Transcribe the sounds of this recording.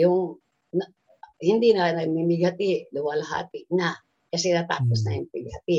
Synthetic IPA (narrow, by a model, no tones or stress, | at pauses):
jʊŋ | na | hɪnd̪inanɐɡ̚mimɪɡhat̪ɪʔlʊwalaɦa̰ːt̪ɪʔna | kɐsɛnat̪a̰ːpos̬na̰jɪmpɪɡ̚hat̪ɪ